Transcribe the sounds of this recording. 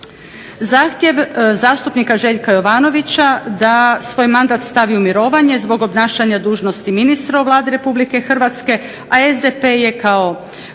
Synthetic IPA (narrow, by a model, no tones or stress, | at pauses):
zaːxt̪je̞ʋzaːst̪upnikaʒe̞ʎkajo̞ʋaːno̞ʋit͡ɕad̪asʋo̞ːjmand̪aːt̪st̪aʋiumiɾo̞ːʋaɲe̞zbo̞ɡo̞bnaːʃaɲad̪uːʒno̞st̪iminist̪ɾaoʋlˠaːd̪iɾe̞publike̞xr̩ʋat̪ske̞ | aezd̪epe̞je̞kao̞